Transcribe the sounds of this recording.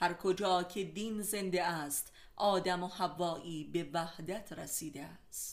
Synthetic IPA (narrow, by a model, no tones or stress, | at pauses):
hæɾkʰod͡ʒɒːcʰed̪iːnze̞nd̪eæːst̪ | ʔɒːd̪æmohævːɒːʔiːbe̞væhd̪æt̪ʰɾesiːd̪eæst̪